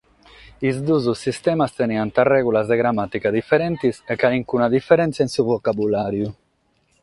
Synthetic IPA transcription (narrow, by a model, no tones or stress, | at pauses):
izd̪uzusːist̪ɛmast̪eniant̪arɛɣulazd̪eɣɾamat̪ikad̪ifeɾɛnt̪isekaliŋkunad̪ifeɾɛnt̪saensuvokabulaɾju